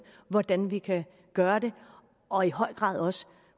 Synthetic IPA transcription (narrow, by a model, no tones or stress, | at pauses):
ʋɒd̥ænʋikʰæ | ɡ̥ɶːɐde̝ | ʔɒ̽ihɒ̽ɪ̰ɡ̥ʁɑ̰̈ːð̰ˠɒ̽sə̥